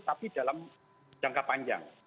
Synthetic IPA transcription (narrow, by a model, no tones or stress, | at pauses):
t̪apid̥alam | d͡ʒ̥aŋkapaɲd͡ʒa̰ŋ